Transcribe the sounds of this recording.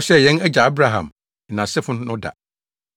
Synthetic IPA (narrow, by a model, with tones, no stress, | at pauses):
sɛ˦jɛ̃˦nɛ˦d͡ʑa˨a˦bɾa˦ɦã̰˨m˨ | nã˨sɪ˦fʊ̃˦n˦nʊ̃˦da̰˨